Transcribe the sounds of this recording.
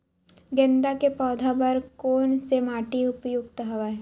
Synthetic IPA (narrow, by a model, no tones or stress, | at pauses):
ɡẽnd̪akepɔːd̪ʱabɐɾkoːnsemaːʈiʊpjoɡt̪əɦɐʋaɛ